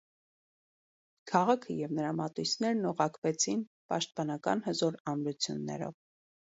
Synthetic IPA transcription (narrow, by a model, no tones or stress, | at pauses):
kʰɑʁɑkʰəjɛvnəɾɑmɑt̪ujsnɛɾnɔʁɑkvɛt͡sʰinpɑʃt̪̚pɑnɑkɑ̰nhəzɔɾɑnɾut͡sʰjunːɛ̰ɾɔ̰v